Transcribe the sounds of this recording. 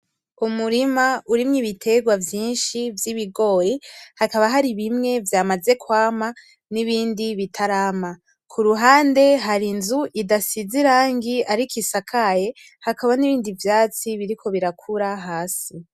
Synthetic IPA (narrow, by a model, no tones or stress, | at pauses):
umuɾimauɾimŋiβitʰe̞ɡwavjiːnʃivjiβiɡo̞jehakaβaɦaɾiβimŋe̞vjamaze̞kwaːma | niβiːndiβitʰaɾama | kʰuɾuɦaːnde̞ɦaɾinzuʔidasiziɾaːŋɡiaɾikʰisakʰaje̞ | hakaβaniβiːndivjaːt͡siβiɾikʰo̞βiɾakʰuɾaɦaːsi